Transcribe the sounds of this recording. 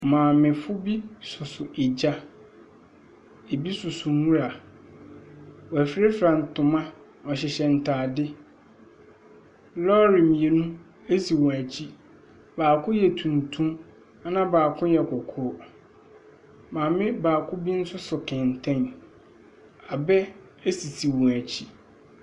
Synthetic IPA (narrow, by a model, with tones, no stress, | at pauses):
mãː˨mɪ̃˨fʊ˦bi˦sʊ˨sʊ˨ʔe˨d͡ʑa˦ | e˨bi˦sʊ˨sʊ˨ŋũ˦ɾa˨ | wɔ˨æ˨fɾe˦fɾã˨n̩˨tʰʊ̃˨mã˦ | ɔ˨ɕɪ˨ɕɛ˨n̩˨tʰaː˨dɪ˦ | lɔ˦ɾɪ̃˨mĩ˨e˨nũ˦ | e˦si˨wɔ̃˨æ˨t͡ɕʰi˦ | baː˨kʰʊ̃˦jɛ˨tʰũ˨n˨tʰũ˦m | a˦nã˦baː˨kʰʊ̃˦jɛ˨kʰɔ˨kʰɔ˦ | mãː˨mɪ̃˦baː˨kʰʊ̃˦bi˦n̩˦sʊ˦sʊ˨kʰɪ̃˨n˨tʰɛ̃˦n | a˨bɛ˦ | æ˦si˨sʰi˨wɔ̃˨æ˨t͡ɕʰi˦